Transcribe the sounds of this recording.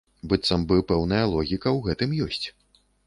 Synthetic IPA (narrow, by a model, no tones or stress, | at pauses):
bɨt̪sɐmbɨpɛwnɐjɐlˠɔɣʲikɐwɣɛt̪ɨmjɔsʲt͡sʲ